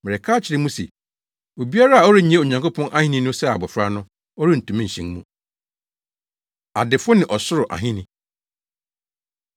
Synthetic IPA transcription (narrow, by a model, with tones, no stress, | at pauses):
mɛ˨ɾɛ˨kʰaː˦t͡ɕʰɪ˨ɾɪ˦mũ˦sɛ̰˨ | o˨bi˦a˦ɾa˦a˨ɔ˦ɾɪ˦ɲi˨ẽ˦o˨ɲã˨ŋkʰo˦pʰɔ̃˦nʔa˦hĩ˦nĩ˦nʊ̃˦sɛ˦a̰˨bɔ˨fɾa˦nʊ̃˦ | ɔ˦ɾɪ˦n̩˨tʰũ˨mɪ̃˦˨ɕĩ˦ŋmṵ̃˨ | a˨dɪ˨fʊ˦nɪ̃˨ʔɔ˨sʊ˦ɾʊ˨ʔa̰˨ɦĩ˦nĩ˨